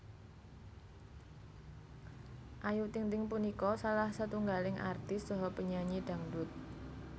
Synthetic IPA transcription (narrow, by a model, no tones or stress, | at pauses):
ʔajut̪ɪŋt̪ɪŋpunikɔsalahsat̪uŋɡalɪŋʔa̰rt̪ɪst͡ʃɔɦɔpəɲaɲiɖ̥a̤ŋdʊt̪̚